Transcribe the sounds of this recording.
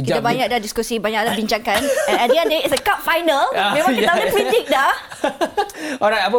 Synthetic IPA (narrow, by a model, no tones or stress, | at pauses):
kit̪abaɲak̚dahdiskusibaɲak̚dabiɲt͡ʃaŋkanɛ̃nãdiãndeitsəkap̚fajnəlmẽmak̪adəpit̪ik̚da | ɔɾajtapə